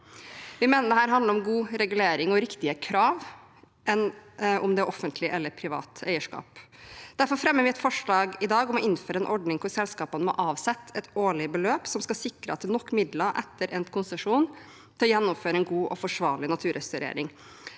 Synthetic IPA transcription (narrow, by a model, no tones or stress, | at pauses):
ʋɪmeːnəd̪ɛhæːɾɦɑnd̪əɾɔmɡuːɾɛɡʉleːɾɪŋɔɾɪkt̪ɪəkʰɾɑːʋ | ʔɛnʔɔmd̪ɛɾʔɔfːənt̪ʰlɪʔɛlːəɾpʰɾɪʋɑ̰ːt̪æɪəʂkɑ̰ːpd̪̥æɾfɔɾfɾɛmːəɾʋɪɛt̪fɔʂɭɑːɡɪd̪ɑːɡɔmɔɪnːføːɾəɛnʔɔɖnɪŋkʰʊɾsɛlskɑːpənəmɔ̰ʔɑːʋsɛt̪ːɛt̪oːɭɪəbəløːpsɔmskɑsɪkɾəɑt̪ːɛlnɔkːmɪd̪ləʔɛt̪ʰːəɾʔɛnkʰʊnsəʂuːn | t̪ʰɛlɔjɛnːʊmføːɾəɛnɡuːʔɔfɔʂʋɑːɭɪnɑt̪ʰʉːɾɛst̪ʉɾḛːɾɪŋ